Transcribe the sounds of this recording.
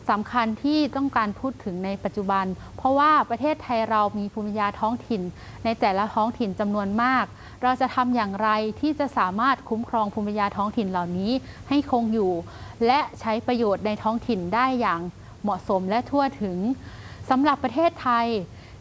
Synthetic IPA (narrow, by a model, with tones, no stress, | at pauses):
sa˩˦mkʰa˧nt̪ʰiː˥˩t̪ɔ˥˩ŋkaː˧npʰuː˥˩t̪ʰːɯ˩˦ŋna˧jpa˨˩t̪̚t͡ɕu˨˩ba˧n | pʰɾɔ˦˥waː˥˩pɾa˧t̪ʰeː˥˩t̪ʰːa˧jɾa˧wmiː˧pʰuː˧mpʰa˧jaː˧t̪ʰɔː˦˥ŋt̪ʰi˨˩nː | a˧jt̪ɛː˨˩la˦˥t̪ʰɔː˦˥ŋt̪ʰi˨˩nt͡ɕa˧mnu˧ənmaː˥˩k̚ | ɾa˧wt͡ɕa˨˩t̪ʰa˧mjaː˨˩ŋɾa˧jt̪ʰiː˥˩t͡ɕa˨˩ʔsaː˩˦maː˥˩t̪̚kʰu˦˥mkʰɾɔː˧ŋpʰuː˧mpʰa˧jaː˧t̪ʰɔː˦˥ŋt̪ʰi˨˩nla˨˩wniː˦˥ | ha˥˩jkʰo˧ŋjuː˨˩ | lɛ˦˥ʔt͡ɕʰa˦˥jpɾa˧joː˨˩t̪̚na˧jt̪ʰɔː˦˥ŋt̪ʰi˨˩ndaː˥˩jːaː˨˩ŋ | mɔ˨˩ʔso˩˦mlɛ˦˥t̪ʰu˥˩ət̪ʰɯ˩˦ŋsa˩˦mɾa˨˩pːɾa˧t̪ʰeː˥˩t̪ʰːa˧j